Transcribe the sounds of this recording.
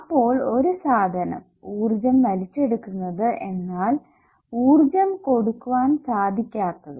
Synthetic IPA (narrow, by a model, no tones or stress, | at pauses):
ɐpːo̞ːɭo̞ɾusaːd̪ʱɐnɐ̰m | uːrd͡ʑɐmʋɐlit͡ɕːe̞ɽukːunːɐðɨʔe̞nːaːl | uːrd͡ʑɐmko̞ɽukːuʋaːnsaːd̪ʱikʲːaːt̪ːɐðɨ